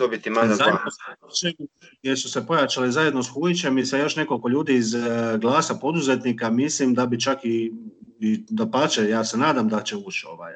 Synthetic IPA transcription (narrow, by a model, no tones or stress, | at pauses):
d̪obit̪imalazaaoseot͡ʃemujesuse̞po̞jat͡ʃalizaje̞d̪nosxujit͡ɕe̞misajo̞ʃne̞kolko̞ʎuːd̪iːzɡlˠaːsapo̞d̪uze̞t̪nikamislimd̪abit͡ʃaki | id̪apat͡ʃejaːse̞naːd̪amd̪at͡ʃe̞uːt͡ʃo̞̰ʋa̰j